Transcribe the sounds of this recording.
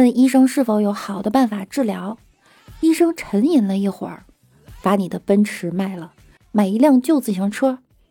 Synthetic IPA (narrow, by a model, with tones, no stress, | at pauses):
ə˥˩ni˥ʂɤ˥ŋʂɻ̩˥˩fo˧˥ʊjo˧˥ʊxɑ˨˩ʊd̪ə˦pa˥˩nfa˨˩ʈ͡ʂɻ̩˥˩ljɑ˧˥ʊ | i˥ʂɤ˥ŋʈ͡ʂʰə˧˥ŋi˨˩nlə˧˦i˥˩xwə̰˨˩˦ | pa˧˥ni˨˩d̪ə˦pə˥nʈ͡ʂʰɻ̩˧˥ma˥˩ɪlə˩ | ma˨˩ɪi˧˥ljɑ˥˧ŋt͡ɕjo˥˧ʊt͡sɹ̩˨˩ɕʰjɑ˧˥ŋʈ͡ʂʰɤ˥